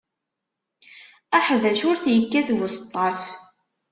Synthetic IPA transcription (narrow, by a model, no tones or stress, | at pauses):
æħðæʃʊɾθjəkːæθðəst̪ˤːɑθ